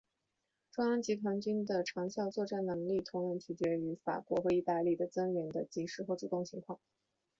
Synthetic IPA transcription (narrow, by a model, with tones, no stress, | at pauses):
ʈ͡ʂʊ˥ŋjɑ˥ŋt͡ɕi˧˥t̪ʰwa˧˥nt͡ɕy˥nd̪ə˨ʈ͡ʂʰɑ˧˥ŋɕjɑ˥˧ʊt͡swɔ˥˧ʈ͡ʂa˥˩nnɤ˧˥ŋli˥˩t̪ʰʊ˧˥ŋɻə˧˥˩nt͡ɕʰy˨˩t͡ɕɥɛ˧˥y˧˥fa̰˨˩kwɔ˧˥xɤ˧˥i˥˧t̪a˥˧li˥˩d̪ə˩t͡sə˥ŋɥɛ˧˥nd̪ə˧t͡ɕi˧˥ʂɻ̩˥˩xwo˥˧˩ʈ͡ʂu˥˧˩t̪ʊ˥˩ŋt͡ɕʰi˧˥ŋkʰwɑ˥˩ŋ